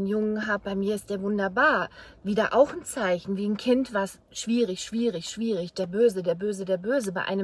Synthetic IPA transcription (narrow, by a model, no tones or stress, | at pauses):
njʊŋənɦaːp̚b̥aɪmiːɐɪst̚d̥eːɐvʊndɐbaːɐviːdaʔaʊxn̩t͡saɪçn̩viːn̩kʰɪntv̥aːɐs | ʃv̥iːʁɪçʃv̥iːʁɪçʃv̥iːʁɪçd̥eːɐbøːzədeːɐbøːzədeːɐbøːzəbaɪʔa̰ɪnə